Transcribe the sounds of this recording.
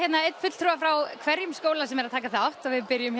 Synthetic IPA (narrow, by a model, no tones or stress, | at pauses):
jɛt̪naetn̥fʏt̪l̥t̪ʰɾuafɾawkʰvɛɾjʏmskoːwlasɛmɛɾaðt̪ʰaːkaθaawht̪ɔvɪðpɪɾjʏm